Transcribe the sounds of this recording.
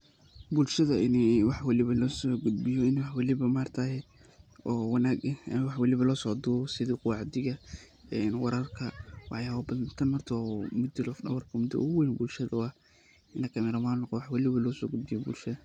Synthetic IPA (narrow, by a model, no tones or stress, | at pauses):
bʊlʃɐðɐɪnɛwɑħwɑlɪβɐlɔːsɔːɡʊd̪bɪjɔɪnɛwɑħwɑlɪβɐmaːrt̪ʰɐɦɛ | ɔːwɑnaːɡɐmwɑħwɑlɪβɐlɔːsɔːd̪uːɔsɪðɪqʊwɑʕd̪ɪɣɐ | ɛːnwɑɾɐrkʰɐwɑħjaːwɐbɐnt̪ʰɐnmɐrt̪ʰwmʊd̪ɪlɔfdɐ̰wɐrkʰɐmʊd̪ɐ̰ʔɣwɛjnbʊlʃɐðɐɐ | ɪnɐkʰɐmɪɾɐmaːnqɔwɑħwɑlɪβɐlɔːsɔ̰ːɡʊd̪̚bɪjɔbʊ̰lʃɐðɐ